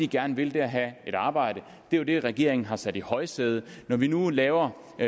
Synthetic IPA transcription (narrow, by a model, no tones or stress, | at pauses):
iɡ̥æɐnʋe̝ld̥e̝æɦæe̝ɾ̥ɑ̈ːb̥ɑ̈ɪ̰ɾ̥ə | d̥e̝jod̥e̝ʁɛɡ̥e̝̰ɐ̰eŋn̩ɦɑ̈sæd̥ihɒ̽ɪsd̥eð̞ˠənɒʋinulɛːʊɐ